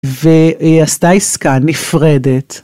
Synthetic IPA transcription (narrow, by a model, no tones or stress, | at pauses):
veastaiskanifʁedet